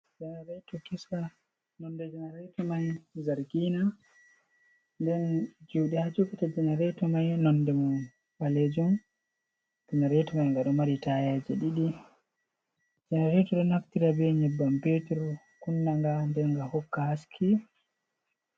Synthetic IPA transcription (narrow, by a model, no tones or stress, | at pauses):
d͡ʒɛnaɾɛtɔkisa | nɔndɛd͡ʒɛnaɾɛjtɔmajzaɾɡiːna | ndɛnd͡ʒuwɗɛhad͡ʒukitad͡ʒɛnaɾɛtɔmajnɔndɛmum | aled͡ʒum | d͡ʒɛnaɾɛtɔmajŋɡaɗɔmaɾitajad͡ʒɛɗiɗi | d͡ʒɛnaɾɛtɔɗɛnaftiɾabɛɲɛbːampetɔɾ | kunːaŋɡandɛŋɡahɔkːahaskʰi